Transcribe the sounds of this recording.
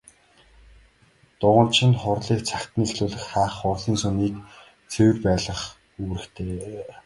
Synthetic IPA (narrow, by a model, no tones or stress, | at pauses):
t̪ʊʁə̆nt͡ɕʰɪ̆nχʊrɮiːk̚t͡sʰakt̪nixɮuːɮɘ̆xχaːχːʊrɮiːnsɵniːk | t͡sʰewɘ̆rpæːɮə̆χ | uɣɾɘ̆xt̪ʰeː